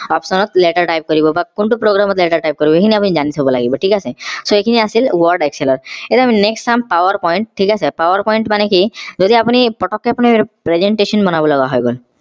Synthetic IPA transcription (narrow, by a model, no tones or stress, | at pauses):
ɔpsɔnɔt̪leʈaɾʈajp̚kɔɾibɔbakuɳʈupɾoɡɾamɔt̪leʈaɾʈajp̚kɔɾibɔekʰiniapunid͡ʒanit̪ʰɦobɔlaɡibɔʈʰikasʰesoekʰiniasilwɔɾɖekselɔɾet̪eamineksʈsampawɔɾpɔjiɳʈ̚ʈʰːikasʰepawɔɾpɔjɳʈmanekid͡ʒɔd̪ʱiapunipɔʈɔkːeapɔnipɾezeɳʈesɔnbɔnabɔlɔɡaɦɔjɡol